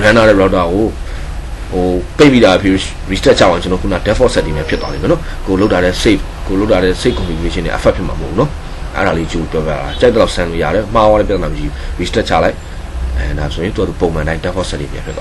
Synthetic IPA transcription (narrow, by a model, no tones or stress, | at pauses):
ãnaɾɛɹaʊtaɣo | hopẽmid̪aapʰi | ɹistɛt͡ɕʰa̰ãt͡ɕənɔkʰuna̰dɛfʰɔsɛtːimjapʰjɪt̪walḛ̃ɔnɔ | kolotaɾɛse | koloʊtːaɾɛseɪʔkɔ̃mlieʃɪ̃nḛ̃ʔəpʰʔ̚pʰjɪʔmã̰məɦoʔːunɔ | ʔɛ̰ɾalet͡ɕopɔpja̰at͡ɕaɪt̪̚əlaʊʔsãlo̰ja̰ɾɛm̥awaɛpjat̪namət͡ɕiɹistɛʔ̚t͡ɕʰa̰laɪʔ | ɛdasojɪ̃t̪uaupõmãdãɪ̃ndɛfʰɔsɛtḭmja̰pʰjɪt̪̚ːa